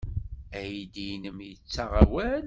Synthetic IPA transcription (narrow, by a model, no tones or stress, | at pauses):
æjid̪inəmjət͡sːaʁæwæn